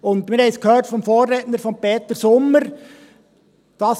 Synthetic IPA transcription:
ʊndmɪɾhɛɪskʰhøːtfɔmfoːrːeːtnəɾfɔmpeːt̪əɾsʊmːəɾ | d̥ɑs

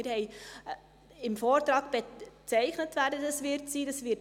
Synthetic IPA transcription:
ɪɾhɛɪ | ɪmfɔːrtrɑːkb̥et͡sɛɪχnətvæɾdədɑsvʋɪrtsiːdɑsʋɪrt

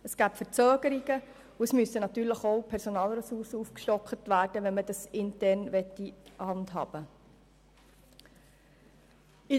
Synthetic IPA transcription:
əsɡ̥æːpfəɾt͡søːɡ̥əɾiɡə | uəsmysənɑt̪yːɾləχowpʰɛɾsonɑːlɾɛsuɾsəufkʃtɔkχətʋæːɾd̥əʋɛnmədɑsɪntɛɾnʋɛtːihɑndɦɑ̰ːb̥ə | i

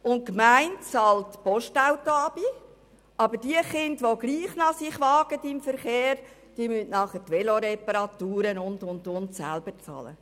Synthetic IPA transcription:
ʊn̚kmæɪntt͡sɑltpɔʃtawtoɑb̥i | ʔɑbəɾd̥iəχɪndʋoɡliːχnɑsɪχʋɑːɡ̥ətɪmfəɾχeːɾ | d̥iəmyntnɑχətʋɛloɾɛpəɾɑt̪uːɾənʊndʊndʊntsæ̰lb̥ət͡sɑ̰ːlə̰

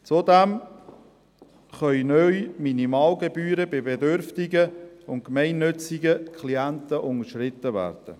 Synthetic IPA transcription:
t͡sod̪æm | χœʏnœjminimɑːlɡebyːɾəbɪbedøɾftiɡəʊn̚kmɛɪnːʏt͡siɡəkʰχliænt̪əʔʊnəʃɾɪt̪ːəvæ̰ːɾd̥ə̰

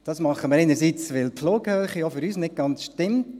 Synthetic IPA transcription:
d̥ɑsmɑχːəməɾeɪnəɾsit͡sʋɪlfloːɡhœːχəjɔfʏɾyːsnɪt̚ɡ̥ɑnt͡sʃtɪmt

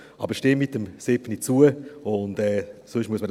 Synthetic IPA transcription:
ɑ̰bəɾʃteːmɪtːəmsɪpnit͡suəʊndɛːsʊʃmuəsməd

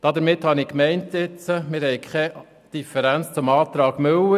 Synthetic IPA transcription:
d̥ɑd̪əɾmɪthɑnɪkmɛɪntɪt͡səmɪːɾhɛjkʰχɛ | d̥ifəɾænt͡st͡sʊmɑːt̪ɾɑːɡ̥møwə

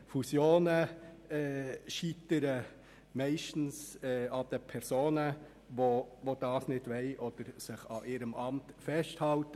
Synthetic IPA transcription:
fusjoːnəɛːʃitəɾə | mɛɪʃtn̩sɛːɑd̪̥əpʰɛɾsoːnə | ʋoʋod̥ɑːsnɪd̥ʋɛɪʔɔd̥əɾsɪχɑ̰ʔɪːɾəmʔɑmtfɛsthɑltə

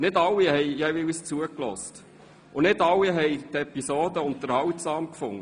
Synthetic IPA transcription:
nɪdɑlːiɦɛɪjɛɪist͡suəklɔ̰st | ʔʊnɪdɑlːiɦɛjt̪ɛpisoːdəʊnt̪əɾhɑwtsɑːmkfʊŋːə

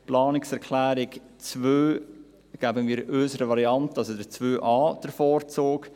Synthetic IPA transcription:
plɑːnɪksɛɾkʰlæːɾɪkt͡svøː | ɡ̥æbənmiːɾʔøːsəɾəvɑɾiɑntəɑlsodət͡svøːʔɑːd̥əfɔːrt͡soːk

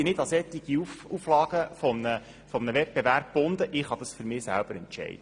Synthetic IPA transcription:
ɪnɪd̪ɑsɛt̪ːiɡ̥iufuflɑːɡ̥əfɔmnə | fɔmnəvɛp̚beʋæɾb̚b̥ʊnd̪əʔɪχhɑd̪ɑsfyɾmɪːsæ̰lb̥əɾɛntt͡ʃɛ̰ɪd̥ə

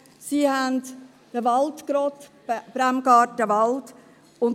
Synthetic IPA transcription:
siːhænd | d̥əʋɑltkɾɔt | b̥ɾæmɡɑːɾtəʋɑlt | ʊn

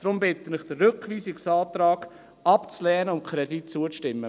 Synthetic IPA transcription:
d̥ɾʊmbɪt̪ənɪχd̪̥ərøkʋiːsɪksɑːt̪ɾɑːɡ̥ | ɑpt͡slɛːnəʊmkχɾɛditt͡suət͡sʃtɪmːə

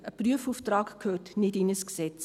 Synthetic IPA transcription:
əpryəfuːftrɑːkkʰhøːtnɪdɪnəsksɛt͡s

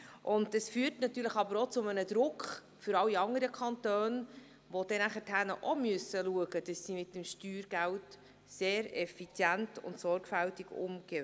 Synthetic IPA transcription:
ʔʊnddɑsfyːrtnɑt̪yːɾləχɑbəɾot͡sʊmənəd̪ɾʊkχ | fʏɾɑwiɑŋəɾəkʰɑntøːn | ʋod̥ɛnæχətʰænə̰ʔɔmʉəsəluəɡəd̥ɑsːimɪtːəmʃtyːɾɡ̥ælt | seːɾɛfit͡sjæntʊ̰ntsɔɾɡ̥fæltiɡ̥ʊ̰mɡ̥e

